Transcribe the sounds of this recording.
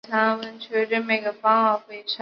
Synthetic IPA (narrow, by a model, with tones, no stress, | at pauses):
t̪ʰa˥wə˥nt͡ɕʰɥɛ˧˥ʈ͡ʂə˥˩me˨˩ɪɡə˧˩fɑ˥ŋwɑ˨˧˩xwe˥˩ɪʈ͡ʂʰa˥